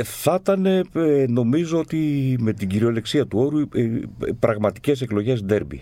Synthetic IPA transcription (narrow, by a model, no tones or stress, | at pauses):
θɐt̪ɐne̞no̞mizo̞o̞t̪ime̞t̪iɟiɾio̞le̞ksiɐt̪uo̞ɾu | pɾɐɣmɐt̪i̥ce̞se̞klo̞ʝe̞sd̪e̞ɾbḭ